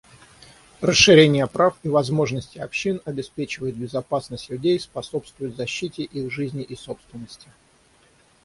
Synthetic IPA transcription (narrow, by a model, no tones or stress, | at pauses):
rəsʂːɨɾʲenʲɪjəpɾafivɐzmo̞ʐnəsʲtʲɪɐpɕːinɐbʲɪspʲet͡ɕɪvəjɪt̪̚bʲɪzɐpasnəsʲtʲlʲʉdʲejspɐso̞pst̪vʊjʊt̪zɐɕːitʲɪʔixʐɨzʲnʲɪʔiso̞pst̪vʲɪnːəsʲtʲɪ̥